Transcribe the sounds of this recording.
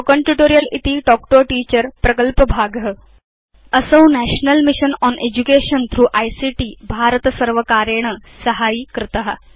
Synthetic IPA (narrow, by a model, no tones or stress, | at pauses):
okəɳʈjuʈoɾijəlit̪iɖɔk̚ʈoʈiːt͡ɕəɾpɾɐkəlpəbʱaɡɦə | əsəwnæɕnəlmiɕənɔned͡ʑukeɕənt̪ʰɾuːʔajsiʈiːbʱaɾət̪əsəɾʋəkaɾeɳ̃əsəɦaiːkɾɪt̪əɦa